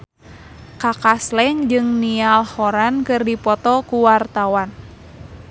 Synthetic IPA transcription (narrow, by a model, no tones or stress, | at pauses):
kakaslɛŋd͡ʒɨŋnialhɔɾankɨrdipɔt̪ɔkuwart̪awan